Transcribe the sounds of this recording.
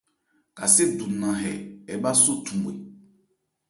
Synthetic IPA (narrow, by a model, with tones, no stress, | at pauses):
ka˨se˦du˨nã˨ɦɛ̰˨ɛ˨˦ba˦so˦tũ˨m˨ḛ˨